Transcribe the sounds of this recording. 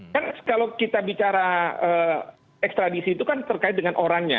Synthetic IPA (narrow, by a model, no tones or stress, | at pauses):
kankalawkit̪abit͡ʃaɾaə | ɛkst̪ɾadisiːt̪ukant̪ərkaɪt̪̚dəŋanʔoɾaŋɲa̰